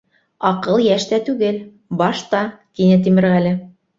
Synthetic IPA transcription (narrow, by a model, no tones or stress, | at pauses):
ɑqɤlˠjæʃt̪æt̪ʉɡɘl | bɑʃt̪ɑk̪inɘt̪imɘ̆ɾʁælɘ